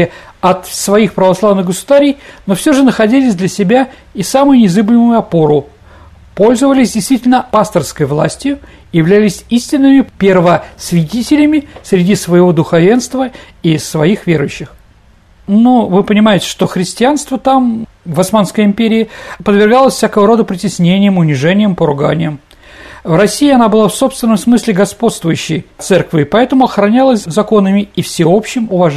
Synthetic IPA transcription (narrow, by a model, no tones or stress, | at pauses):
ɪɐt̪svɐixpɾəvɐslˠavnɨɣɡəsʊd̪aɾʲɪjno̞fsʲoʐɨnəxɐdʲilʲɪsʲd̪lʲəsʲɪbʲa | isamʊjʊnʲɪzɨblʲɪmʊjʊɐpo̞ɾʊ | po̞lʲzəvəlʲɪsʲdʲɪjst̪vʲitʲɪlʲnəpast̪ərskəjvlˠa̰sʲtʲjʊ | jɪvlʲælʲɪsʲisʲtʲɪnːɨmʲɪpʲervəsvʲɪtʲitʲɪlʲɪmʲɪsɾʲɪdʲisvəjɪvo̞d̪ʊxɐvʲe̞nst̪və | isvɐixvʲeɾʊjʉɕːɪx | novɨpənʲɪmajɪtʲɪ̥ʂt̪o̞xɾʲɪsʲtʲɪanst̪vət̪am | vɐsmanskəjɪmpʲeɾʲɪɪɐpəd̪vʲɪrɡalˠəsʲfsʲakəvəɾo̞d̪əpɾʲɪtʲɪsʲnʲenʲɪjəmʊnʲɪʐɛnʲɪjəmpəɾʊɡanʲɪjəm | vrɐsʲːijɪɐnabɨlˠafsopst̪vʲɪnːəmsmɨsʲlʲɪɡɐspo̞t̪st̪vʊjʉɕːɪ̰jt̪sɛrkvʲɪɪpɐɛt̪əmʊɐxɾɐnʲalˠəsʲzɐko̞nəmʲɪifsʲɪo̞pɕːɪmʊvɐʐ